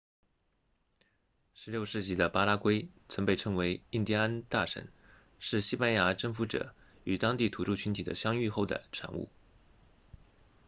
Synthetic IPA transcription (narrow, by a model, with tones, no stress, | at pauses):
ʂɻ̩˧˥ljo˥˧ʊʂɻ̩˥˩t͡ɕi˥˩d̪ə˧pa˥la˥kwe˥ɪt͡sʰɤ˧˥ŋpe˥˩ɪʈ͡ʂʰɤ˥ŋwe˧˥ɪi˥˩nt̪i˥˧a˥nt̪a˥˩ʂə̰˨˩˦n | ʂɻ̩˥˩ɕi˥pa˥nja˧˥ʈ͡ʂɤ˥˩ŋfu˧˥ʈ͡ʂɤ̰˨˩ | y˨˩t̪ɑ˥ŋt̪i˥˩t̪ʰu˧˥ʈ͡ʂu˥˩t͡ɕʰy˧˥nt̪ʰi˨˩d̪ə̰˦ɕjɑ˥ŋy˥˧xo˥˩ʊd̪ə̰˩ʈ͡ʂʰa̰˧˥nṵ˥˩